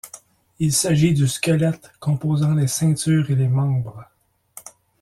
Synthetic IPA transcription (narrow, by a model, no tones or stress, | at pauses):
ilsaʒid̪yskʲɛlɛt̪kɔ̃poːzɑ̃lesɛ̃t̪yːʁelemɑ̃ːbʁ